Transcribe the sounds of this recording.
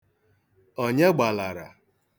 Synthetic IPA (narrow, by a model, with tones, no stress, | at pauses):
o˨ɲe˦ɡ͡ba˨la˨ɾa̰˨